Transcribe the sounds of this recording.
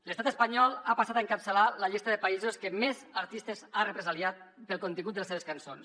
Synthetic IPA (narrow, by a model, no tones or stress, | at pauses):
ləst̪at̪əspaɲɔlˠapasat̪aəŋkapsəlaləʎist̪əðəpaizoskəmezəɾt̪ist̪əzarəpɾezaliat̪̚pəlˠkont̪iŋɡut̪əseβeskansons